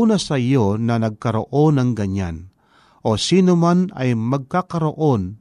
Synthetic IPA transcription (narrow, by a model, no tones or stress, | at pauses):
unasajonɐnɐɡ̚kɐɾo̰ʔonɐŋɡɐɲa̰n | ʔosiːnomana̰jmɐɡ̚kakɐɾoʔon